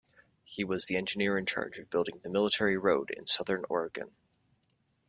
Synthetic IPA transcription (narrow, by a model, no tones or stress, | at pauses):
hiwʌzðiɛ̃nd͡ʒɨnɪɹɨ̃nt͡ʃʰɑ̰ɹd͡ʒʌvbɪlˠdɪ̃ŋðɨmɪlˠətʰɛɹiɹoʊɾɪ̰̃nsʌðə̃˞nɔ̰ɹɨɡɨ̰̃n